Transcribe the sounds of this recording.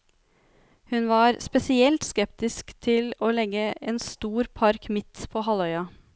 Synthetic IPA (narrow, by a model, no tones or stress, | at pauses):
hʉnʋɑːɾspɛsɪɛlt̪skɛpt̪ɪskt̪ʰɪloːlɛɡəɛːnst̪uːɾpʰɑɾkmɪt̪pʰoːɦɑlœʏɑ